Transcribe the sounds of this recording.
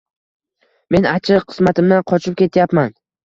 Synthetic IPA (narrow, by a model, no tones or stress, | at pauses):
me̞nat͡ʃʰɪqʰɨ̥smat̪ʰɪmd̪anqʰɒt͡ʃʰɪp̚kʲʰe̞t̪ʰjapman